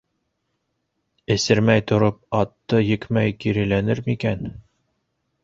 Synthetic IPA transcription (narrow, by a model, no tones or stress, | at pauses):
ɘ̆sɘ̆ɾmæjt̪ŏɾop̚ɑt̪ːɤjɘ̆kmæjkiɾɘ̆lænɘɾmikæn